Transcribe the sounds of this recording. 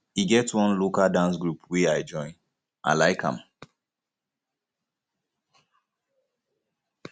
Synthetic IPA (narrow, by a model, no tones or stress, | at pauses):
iɡɛtswʌ̃nlokaldãnsɡɹupweaɪd͡ʒɔ̃ɪ̃n | ʔa̰laɪkʰã̰m